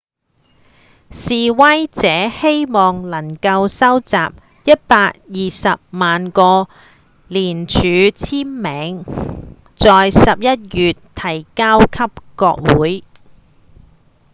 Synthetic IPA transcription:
siː˨wɐ˥jt͡sɛː˨˥he˥jmɔː˨ŋlɐ˨˩ŋkɐ˧wsɐ˥wt͡sa̰ː˨p̚ | jɐ˥t̚paː˧k̚jiː˨sɐ˨p̚maː˨nkɔː˧ | liː˨˩nt͡ʃʰyː˨˧t͡sʰiː˥nmɛː˨˥ŋ | t͡sɔː˨jsɐ˨p̚jɐ˥t̚jyː˨tt̪ʰɐ˨˩jkaː˥wkʰɐ˥p̚kɔː˧k̚wuː˨˥j

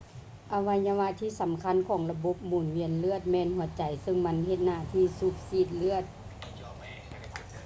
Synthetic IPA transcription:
ʔa˧ʋa˧ɲa˧ʋa˧˥tt̪ʰːiː˧˥˨sa˨˦mkʰa˧˥˨nkʰɔː˨˦ŋla˧bo˧˦p̚muː˨˩nwi˧˥ə˨nlɯ˧˥˩ət̪̚mɛː˧˨nhu˨˩˦ɐt͡ɕa˨˩jsɤ˧ŋma˧˥˨nɦe˧t̪̚naː˧˩˨t̪ʰiː˧˨su˧k̚siː˧˩t̪̚lɯ˧˥˩ət̪̚

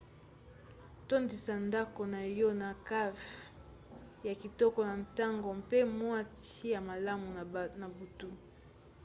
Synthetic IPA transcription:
to˦ndi˨sa˨nda˦ko˨na˨jɔ˦na˨ka˦v | ja˨ki˨tɔ˦kɔ˨na˨nta˦ŋɡo˨mpe˦mwa˦ti˦ja˨ma˨la˦mu˨na˨bu˨tu˦

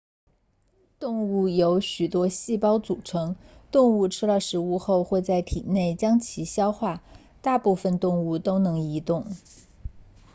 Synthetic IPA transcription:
t̪ʊ˥˧ŋu˥˩jo˧˥ʊɕy˨˩t̪wɔ˥ɕi˥˩pɑ˥ʊt͡su˨˩ʈ͡ʂʰɤ˧˥ŋt̪ʊ˥˧ŋu˥˩ʈ͡ʂʰɻ̩˥lə˧˩ʂɻ̩˧˥u˥˧xo˥˧ʊxwe˥˧ɪt͡sa˥˩ɪt̪ʰḭ˨˩ne˥˩ɪt͡ɕjɑ˥ŋt͡ɕʰi˧˥ɕjɑ˥ʊxwa˥˩ | t̪a˥˧pu˥˧fə˨˧nt̪ʊ˥˧ŋu˥˩t̪o˥ʊnɤ˧˥ŋi˧˥t̪ʊ˥˩ŋ

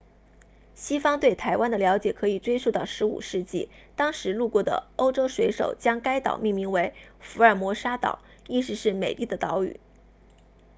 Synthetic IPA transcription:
ɕi˥fɑ˥ŋt̪we˥˩ɪt̪ʰa˧˥ɪwa˥nd̪ə˨ljɑ˧˥ʊ̯t͡ɕjɛ˨˩kʰɤ˧˥i˨˩ʈ͡ʂwe˥ɪʂu˥˧t̪ɑ˥˩ʊʂɻ̩˧˥ṵ˨˩ʂɻ̩˥˧t͡ɕi˥˩ | t̪ɑ˥ŋʂɻ̩˧˥lu˥˧kwɔ˥˩d̪ə̰˩o˥ʊʈ͡ʂo˥ʊʂwe˧˥ɪʂo̰˨˩ʊt͡ɕjɑ˥ŋka˥ɪt̪ɑ̰˨˩ʊmi˥˩ŋmi˧˥ŋwe˧˥ɪfu˧˥ə˞˥˩mwɔ˧˥ʂa˥t̪ɑ̰˨˩˦ʊ | i˥˩ʂɻ̩˧˥ʂɻ̩˥˩me˨˩ɪli˥˩d̪ə˩t̪ɑ˧˥ʊy̰˨˩˦

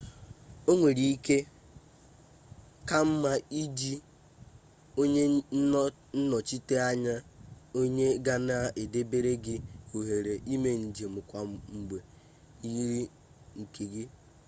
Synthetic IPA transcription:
o˦ŋʷe˨ɾi˨i˦ke˦ | ka˦m̩˦ma˦i˦d͡ʒi˦ | o˦ɲe˦ | n̩˦nɔ˨t͡ʃi˦te˦a˦ɲa˦o˦ɲe˦ɡa˦na˦a˦ʔe˨de˦be˦ɾe˦ɡɪ˦o˨ɦe˨ɾe˨ʔi˦me˨n̩˨d͡ʒe˨m̩˨kʷa˨ŋ͡m̩˨ɡ͡be˨ | i˦ɾi˦ | ŋ̩˨ke˨ɡɪ˦

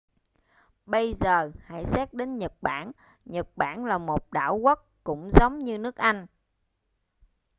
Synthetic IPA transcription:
ɓə˧jzəː˨˩ha̰˧˩jsɛː˦˥k̚ɗe˨˦nɲə˨˩t̚ɓaː˧˩n | ɲə˨˩t̚ɓaː˧˩nlaː˨˩mo˨˩t̚ɗa̰ː˧˩wɣə˦˥t̚kʊ̰˧˥ŋ͡mzə˨˦wŋ͡mɲɨ˧nɨ˦˥ək̚ʔa˧jŋ̟

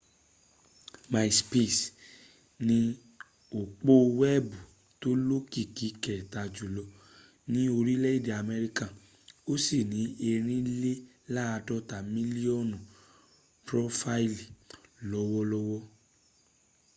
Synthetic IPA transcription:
ma˨i˨spi˦˨s | nĩ˧ | o˨k͡po˦˧wɛ˦˨bu˨ | to˦lo˦ki˦ki˧˦kɛ˨ta˨d͡ʒu˨lɔ˧ | nĩ˦o˧ɾi˦le˦i˦˨di˨a˨me˧ɾi˦ka˦˨ | o˦si˦˨nĩ˨˦e˧ɾ̃ĩ˦le˦ | la˦a˧dɔ˦ta˨mĩ˦li˦ɔ˦˨nɔ̃˨ | pɾɔ˦fa˦i˦li˨lɔ˦wɔ˦lɔ˦wɔ˦

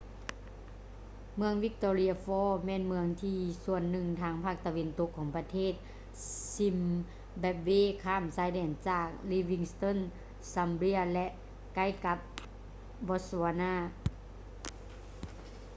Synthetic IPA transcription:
mɯ˧əŋwi˧˥k̚t̪ɔː˧li˧˥ɐ˧fɔː˧˩mɛː˧˨nmɯ˧əŋt̪ʰiː˧su˧˩ənːɯ˨˩ŋt̪ʰaː˧˥ŋpʰaː˧˥˩k̚t̪a˧ʋe˧˨nt̪o˧˦kʰːɔː˩˦ŋpa˧t̪ʰeː˧˥˩t̪̚ | si˧˥m | bɛː˧p̚weː˧˥˨kʰaː˧˩˨msaː˧˥jdɛː˧˩nt͡ɕaː˧˩k̚liː˧wi˧ŋst̪o˧˥˨n | sa˧mbli˧˥ɐlɛ˧ʔ | ka˧˥˨jka˧˦p̚ | bɔː˧˥saː˧naː˧˥˩

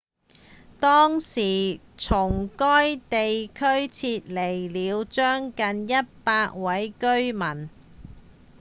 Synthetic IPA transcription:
t̪ɔː˥ŋsiː˨˩ | t͡sʰʊ˨˩ŋkɔː˥jt̪e˨jkʰɵ˥ɥt͡sʰiː˧t̚le˨˩jliː˨˧wt͡ʃœː˥ŋkɐ˨njɐ˥t̚paː˧k̚wɐ˨˥jkɵ˥ɥmɐ˨˩n

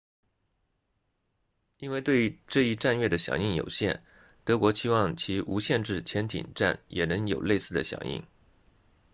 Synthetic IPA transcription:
i˥nwe˥˧ɪt̪we˥˧ɪʈ͡ʂɤ˥˧i˥˧ʈ͡ʂa˥˧nɥɛ˥˩d̪ə˩ɕjɑ̰˨˩ŋi˥˩ŋjo̰˨˩ʊɕjɛ̰˥˩n | t̪ɤ˧˥kwɔ˧˥ɕʰi˥wɑ˥˩ŋt͡ɕʰi˧˥ʔu˧˥ɕjɛ˥˧nʈ͡ʂɻ̩˥˩t͡ɕʰjɛ˧˥nt̪ʰḭ˨˩ŋʈ͡ʂa˥˩njɛ˨˩nɤ˧˥ŋjo˨˩ʊle˥˧ɪsɹ̩˥˩d̪ə˩ɕjɑ̰˨˩˦ŋḭ˥˩ŋ

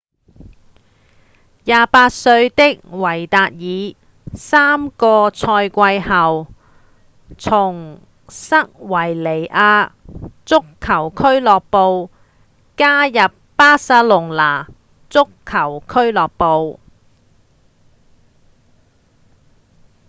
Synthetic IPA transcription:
jaː˨˧paː˧t̚sɵ˧ɥt̪ɪ˥k̚wɐ˨˩jt̪aː˨˧t̚jiː˨˧ | saː˥mkɔː˧t͡sʰɔː˧jkʷɐ˧jhɐ˨w | t͡sʰʊ˨˩ŋ | sɐ˥k̚wɐ˨˩jle˨˩jʔaː˧t͡sʊ˥kʰːɐ˨˩wkʰɵ˥ɥlɔː˨k̚po˨˧w | kaː˥jɐ˨pːaː˥saː˧˥lʊ˨˩ŋlaː˨˩ | t͡sʊ˥kʰːɐ˨˩wkʰɵ˥ɥlɔː˨k̚po˨˧w

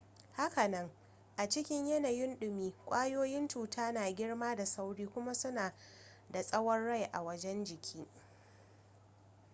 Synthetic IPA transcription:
ha˦ka˨nɐ˦ŋ | ʔa˨t͡ʃɪ˦kʲɪ˦ɲjɐ˦na˨jɪ˦nɗʊ˨miː˦kʷʼaː˦joː˦jɪ˦nt͡ʃuː˨tʰaː˦naː˨ɡʲɪ˦ɽmaː˦da˨sa˦wɽiː˦kʷʊ˦ma˦sʊ˦naː˨ | da˨sʼɐ˦wɔ˦nɽa˦˨jʔa̰˨wɐ˦d͡ʒɛ˦nd͡ʒɪ˨kʲʰiː˦

